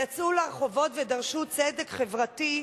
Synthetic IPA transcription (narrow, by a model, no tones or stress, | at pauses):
jat͡sulaʁχo̞vo̞tved̪aʁʃut͡sedekχevʁati